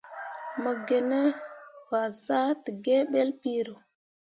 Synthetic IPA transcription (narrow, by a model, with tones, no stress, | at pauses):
mə˨ɡe˨ne˦va˨za˦ti˨ɡe˦ɓe˦lpi˦ɾo˨